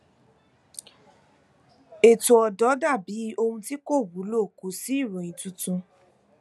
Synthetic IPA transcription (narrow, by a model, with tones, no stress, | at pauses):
e˨tu˨ɔ˨dɔ˨˦da˦˨bi˨˦o˧hũ˧ti˦ko˦˨wu˨˦lo˦˨ku˨˦si˦i˦˨ɾũ˨ĩ˨tũ˧tũ˧